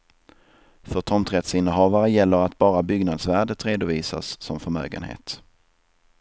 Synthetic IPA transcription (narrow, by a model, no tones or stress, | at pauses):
fœʈ̪ʰɔnt̪ɾɛt̪sɪnːəɦɑːvaɾəjɛlːəɾat̪̚bɑːɾabʏɡnad̪svæːɖət̪ɾeːd̪ʊviːsa̰sːɔmfœɾmø̰ːɡə̰nhḛːt̪